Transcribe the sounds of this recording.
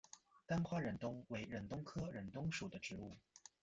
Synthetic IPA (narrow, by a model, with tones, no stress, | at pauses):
t̪a˥nxwa˥˩ɻə˨˩nt̪ʊ˥ŋwe˧˥ɪɻə˨˩nt̪ʊ˥ŋkʰɤ˥ɻə˨˩nt̪ʊ˥ŋʂu˨˩d̪ə˦ʈ͡ʂɻ̩˧˥u˥˩